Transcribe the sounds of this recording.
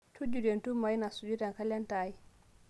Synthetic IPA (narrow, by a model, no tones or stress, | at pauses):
tʰud͡ʒudɛntumːajnasud͡ʒutaŋkalɛntaji